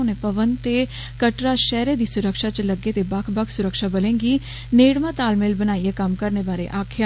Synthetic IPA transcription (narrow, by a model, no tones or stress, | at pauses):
ʊnepəʋənt̪e | kəʈɾaʃɛːɾed̪iːsʊɾəkʃat͡ʃləɡet̪ebɐkʰbəkʰsʊɾəkʃabəlẽːŋɡi | neːɽmãt̪aːlmelbənaːijekɐmkəɾnebaːɾḛʔaːkʰja